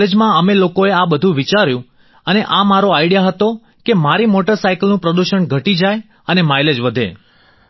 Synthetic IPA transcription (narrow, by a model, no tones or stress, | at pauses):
ed͡ʒmãəmelokoeabəd̪ʱũʋit͡ʃaɾjũ | əneʔamaɾoaiɽijaɦət̪o | kemaɾimoʈəɾsaikəlnũpɾəd̪uʃənɡʱəʈid͡ʒaj | ənemajled͡ʒʋəd̪ʱḛ